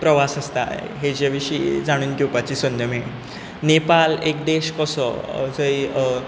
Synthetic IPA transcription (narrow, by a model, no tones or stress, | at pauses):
pɾəʋasəst̪a̰ɦed͡ʑeʋiɕḭːd͡zaɽ̃uːnkiwpat͡ɕiːsənd̪ʱjəme | nepalekd̪eɕkɔsɔ̰d͡zəi